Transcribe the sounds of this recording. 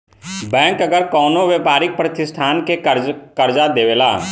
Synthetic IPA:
bɛ̃ːŋkəɡəɾkɔːnoʋeːpaːɾɪk̚pɾət̪ɪsʈ̪ʰaːnkekəɾd͡ʒad̪eːʋeːlaː

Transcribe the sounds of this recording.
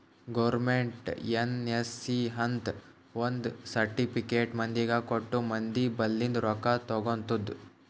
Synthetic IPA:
ɡɐʋɾɾmeɳʈenesːiɦɐnt̪ | ʋond̪sɐɾʈipʰikeːʈmɐnd̪iɡɐkoʈːumɐnd̪ibɐlːind̪ɾɔkat̪ɔɡont̪ud̪

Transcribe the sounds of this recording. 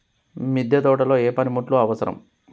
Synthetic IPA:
mid̪ʱjɐd̪ɔːʈɐlo̞ːeːpɐnimuʈluɐʋɐsɐɾɐ̰m

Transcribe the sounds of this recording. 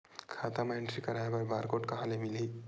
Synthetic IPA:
kʰat̪amaɳʈɾikəɾajbəɾbaɾkoʈkəɦãlemili

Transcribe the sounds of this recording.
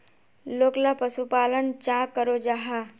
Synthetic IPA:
loːklapəsupaːlənt͡ʃãkəɾod͡ʒaɦa

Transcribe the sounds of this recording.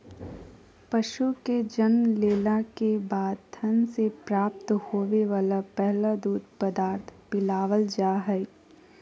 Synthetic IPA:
pɐʃuked͡ʒənleːlakebaːd̪̚t̪ʰənsepɾaːp̚t̪hoːʋeʋaːlapɛɦlad̪uːd̪̚ʱpəd̪aːɾt̪ʰpɪlaːʋəld͡ʒaːɦɛi

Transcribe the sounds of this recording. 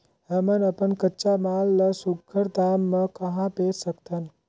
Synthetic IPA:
ɦəmənəpənkəːʃamaːlːəsuɡʰəɾd̪aːmːə̃kəɦãpeːɾsəkt̪ʰən

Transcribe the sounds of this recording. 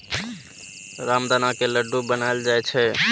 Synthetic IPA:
ɾamd̪anakeləɖʱːubənaeld͡ʒajt͡ʃʰɛ

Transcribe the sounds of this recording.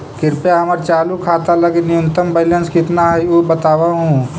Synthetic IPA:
kɪɾpjaɦɐməɾt͡ʃaːlukʰaːt̪alɐɡenɪjʊ̃nt̪əmbəɪlə̃nskɪt̪naɦɛubət̪aːwaɦũ

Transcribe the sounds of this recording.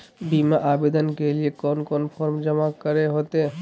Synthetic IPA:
bimaʔabed̪ankelijekɔnkɔnfʰɔɾmd͡ʑɔmakɔɾeɦot̪e

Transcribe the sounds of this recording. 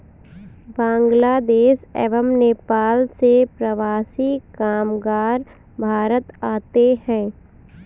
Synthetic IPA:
bãːŋɡlaːd̪eːʃɛ̰ːʋəmneːpaːlsepɾəʋaːsikaːmɡaːɾ | bʱaːɾət̪aːt̪ehɛ̃ː

